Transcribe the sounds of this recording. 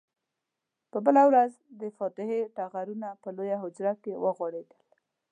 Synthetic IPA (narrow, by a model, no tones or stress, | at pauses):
pəbəlawɾaz | d̪əfɑt̪ɪheʈaɣaɾunapəlojaɦʊd͡ʒɾakewəɣwɑɽed̪əl